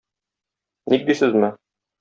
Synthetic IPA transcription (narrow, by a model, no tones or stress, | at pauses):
nik̚d̪isɘzmɘ